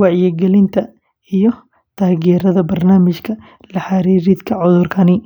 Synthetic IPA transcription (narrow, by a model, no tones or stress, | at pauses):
wɑʕjɛɡɛlɪnt̪ʰɐ | ijɔ | t̪ʰaːɣɛːɾɐðɐbɐrnaːmɪt͡ʃkʰɐ | lɐħaɾiːɾid̪kʰɐʕʊðʊrkʰɐnɪ